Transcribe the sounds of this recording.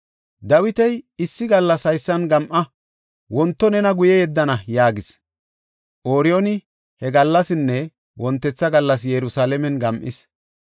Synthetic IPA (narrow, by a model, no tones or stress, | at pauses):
d̪ɐwɪt̪ɛjɪsːɪɡɐlːɐsɐjsːɐnɡɐmʔɐ | wɔnt̪ːɔnɛnɐɡʊjɛjɛd̪ːɐnɐjaːɡɪs | ʔoːɾɪjɔnɪ | hɛɡɐlːɐsɪnːɛ | wɔnt̪ːɛt͡sːɐɡɐlːɐs̬jɛɾʊsaːlɛmɛnɡɐmʔɪs